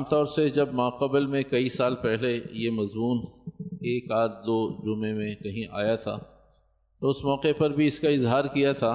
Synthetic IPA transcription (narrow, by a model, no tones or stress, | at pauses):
mt̪ɔːɾsed͡ʒɐbmãːqɐblmẽkɐisaːlpɛɦlejemɐzmuːneːkaːt̪̚d̪oːd͡ʒʊmẽmẽkɐɦĩʔa̰ːjat̪ʰa̰ː | t̪oʊsmɔːqepɐɾbʱiɪskaɪzɦaːɾkijat̪ʰaː